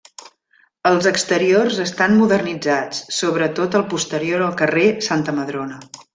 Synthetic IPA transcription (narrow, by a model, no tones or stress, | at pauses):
əlˠzəkst̪əɾiorzəst̪anmuðərnid͡zat͡ssːoβɾət̪ot̪əlˠpust̪əɾioɾəlˠkəresant̪əməðɾonə